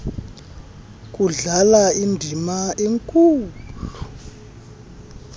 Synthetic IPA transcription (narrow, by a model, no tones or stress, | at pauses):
k̬ʼuɮalaindʱimaeŋkʼuːlu